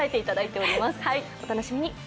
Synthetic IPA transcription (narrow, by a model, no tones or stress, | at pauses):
aet̪e̞it̪ad̪ait̪e̞o̞ɾʲimasɨ̥haio̞t̪ano̞ɕimʲiɲ̟i